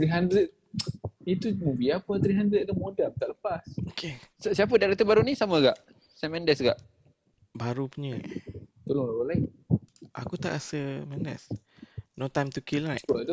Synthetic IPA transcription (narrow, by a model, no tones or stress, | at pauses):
t̪ɾiɦandɾət̪̚ | it̪umubiapət̪ɾiɦandɾət̪̚dəmodampət̪aʔləpasokʰesəsiap̬ədaɾat̪əbaɾunisaməɡa̰ʔ | sɛmɛ̃ndɛsɡa̰ʔ | baɾupuɲət̪olʊŋlabalain | ʔa̰kut̪a̰ʔasəmanə̰s | not̪ːajmt̪ukilnaə